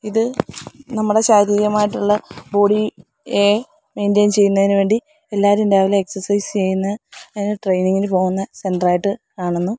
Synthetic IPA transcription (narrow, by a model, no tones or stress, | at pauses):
iðɨnɐmːuɽe̞ɕaːɾijɐmaːjiʈːuɭːɐbo̞ːɽi | eː | me̞jndejnt͡ɕe̞jːunːɐðinuʋeːɳɖi | e̞lːaːɾmindaːʋilumeksɐrsɐjst͡ɕe̞jːunːɐɐðɐneʈrejniŋːɡilɨpo̞ːɣunːɐse̞nɖraːjiʈːɨkaːɳenːu